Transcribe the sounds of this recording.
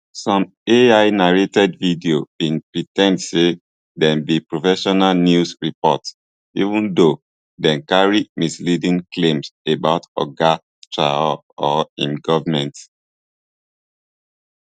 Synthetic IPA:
sɔ̃m | eaɪnaɹetɛdvidiobĩnpɹitɛ̃ndse | dɛ̃nbipɹofɛʃɔnalnjusɹipɔts | ḭvũndo | dɛ̃nkaɹimislidĩnklẽmsebaʊtɔ̰ɡa | tɹa̰ɔ | ɔĩmɡɔvamɛ̃nt

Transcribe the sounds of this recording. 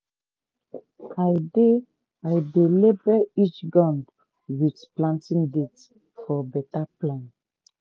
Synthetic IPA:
ajde | ajdelibɛit͡ʃɡãnd | witplãntĩŋdet | fɔbɛtaplãn

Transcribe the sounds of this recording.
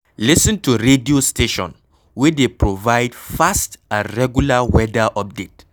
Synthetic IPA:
lisə̃ntʰuɹediostʰeʃɔ̰̃n | wɛdepɹovaɪdfastãɹɛɡjulawɛdaʔɔp̚det

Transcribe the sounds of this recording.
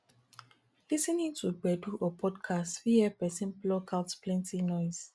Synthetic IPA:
lisənĩŋtʰuɡ͡bɛduʔɔpʰɔdkʰastfiɛpɛsĩnplɔkʰaltplɛ̃ntʰinɔjz̥

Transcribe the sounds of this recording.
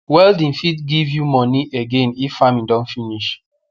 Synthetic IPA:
wɛldĩnfitɡivjumɔ̃niʔeɡẽnifːamĩndɔ̃nfiniʃ

